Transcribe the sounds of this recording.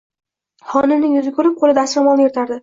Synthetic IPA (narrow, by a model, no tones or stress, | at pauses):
hɒnɪnɪŋjʊzɪkʰʲɵɾɪp̚qʰolɪd̪aːsamɒlˠnɪeɾt̪ʰaɾd̪ɪ